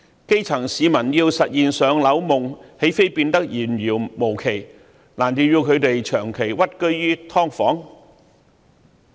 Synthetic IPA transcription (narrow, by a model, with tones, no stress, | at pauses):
ke˥jt͡sʰɐ˨˩ŋsiː˨˧mɐ˨˩njiː˧wsɐ˨t̚jiː˨nsœː˨˧ŋlɐ˨˧˥wmʊ˨ŋhe˨˥jfe˥jpiː˧nt̪ɐ˥k̚jiː˨˩njiː˨˩wmo˨˩wkʰe˨˩j | laː˨˩ntiː˨˧jiː˧wkʰɵ˨˧ɥt̪e˨jt͡ʃʰœː˨˩ŋkʰe˨˩jwɐ˥t̚kɵ˥ɥjyː˥t̪ʰɔː˥ŋfɔː˨˥ŋ